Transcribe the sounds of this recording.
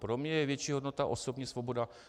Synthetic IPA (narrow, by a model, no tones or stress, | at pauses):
pɾomɲɛjɛvjɛt͡ʃiːɦodnot̪aʔosobɲɛsvoboda